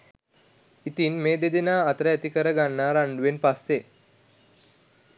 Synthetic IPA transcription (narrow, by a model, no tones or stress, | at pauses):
it̪inmeːd̪ed̪enaːt̪ɾəæt̪ikəɾəɡanːaɾaɳɖuʋenpasːe